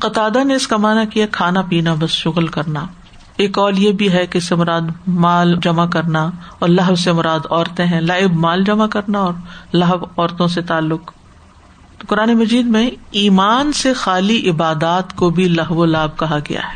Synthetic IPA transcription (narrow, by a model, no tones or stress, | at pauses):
qɐt̪aːd̪aneɪskamaːnakijakʰaːnapiːnabɐsʃʊɣlkɐɾna | eːkɔːljebʱiɦɛkeɪsemʊɾaːd̪maːld͡ʒɐmakɐɾnaɔːɾlɐɦbsemʊɾaːd̪ɔːɾt̪ẽɦɛ̃laːɪbmaːld͡ʒɐmakɐɾnaɔːɾlɐɦəbɔːɾt̪õset̪aːlːʊq | kʊɾaːnemɐd͡ʒiːd̪mẽiːmaːnsexaːliʔɪbaːd̪aːt̪kobʱilɐɦʋolaːb̚kɐɦaɡɐ̰ja̰ɦɛ̥ː